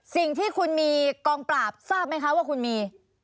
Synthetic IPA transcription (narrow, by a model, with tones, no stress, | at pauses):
si˨˩ŋt̪ʰiː˥˩kʰu˧nmiː˧kɔː˧ŋpɾaː˨˩p̚saː˥˩p̚ma˥jkʰa˦˥waː˥˩kʰu˧nmiː˧